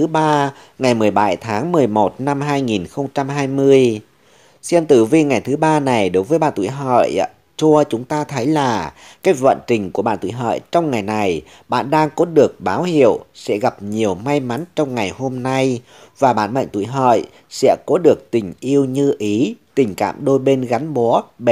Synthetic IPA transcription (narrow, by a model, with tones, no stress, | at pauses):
ɨ˨˦ɓaː˧ | ŋa˨˩jmɨ˨˩əjɓa˧˩jt̪ʰaː˨˦ŋmɨ˨˩əjmo˨˩t̚na˧mɦaː˧jŋi˨˩nxə˧wŋ͡mt͡ɕa˧mɦaː˧jmɨ˧əj | sɛ˧nt̪ɨ˧˩vi˧ŋa˨˩jt̪ʰɨ˨˦ɓaː˧na˨˩jɗo˨˦jvəː˨˦jɓaː˧˨nt̪ṵ˧˩˨jɦə̰˧˨j | t͡ɕu˧ət͡ɕʊ˨˦ŋ͡mt̪aː˧t̪ʰə˨˦jlaː˨˩ | kaː˨˦˥jvə̰˧˨nt͡ɕï˨˩ŋ̟ku˧˩əɓa̰ː˧˨nt̪ṵ˧˨jɦə̰ː˧˨jt͡ɕɔ˧wŋ͡mŋa˨˩jna˨˩j | ɓa̰ː˧˨nɗaː˧ŋkɔ˨˦ɗɨ˨˩ək̚ɓaː˨˦whḭ˧˨əwsɛ̰˧˥ɣa˨˩p̚ɲi˨˩əwma˧jma˨˦nt͡ɕɔ˧wŋ͡mŋa˨˩jho˧mna˧j | vaː˨˩ɓa̰ː˧˨nmə̰˧˨ŋ̟t̪ṵ˧˩˨jɦə̰ː˧˨j | sɛ̰˧˥kɔ˨˦ɗɨ˨˩ək̚t̪ï˨˩ŋ̟ʔi˧əwɲɨ˧ʔi˨˦t̪ï˨˩ŋ̟ka̰ː˧˨mɗo˧jɓe˧nɣa˨˦nɓɔ˨˦ɓ